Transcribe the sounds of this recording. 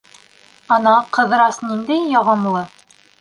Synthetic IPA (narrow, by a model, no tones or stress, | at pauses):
ɑnɑqɤ̆ð̆ɾɑsnind̪æjːɑʁɤmlˠɤ